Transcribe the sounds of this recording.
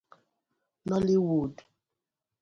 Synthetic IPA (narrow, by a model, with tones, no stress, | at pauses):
nɔ˦li˦wu˨du˨